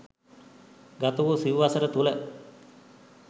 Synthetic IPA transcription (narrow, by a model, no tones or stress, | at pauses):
ɡat̪ɐʋusiʋʋasəɾət̪ulə